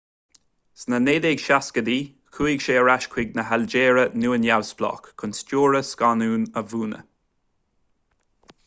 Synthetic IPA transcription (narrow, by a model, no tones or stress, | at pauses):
snəneːd̪eɡʃaskəd̪iː | kʰuːiɡʃeːəɹaʃkʰwɪɡnəɦald͡ʒeːɹənuːənjawsplɔ̰ːkːʰʊnst͡ʃuːɹəskanuːnəvuːnə̰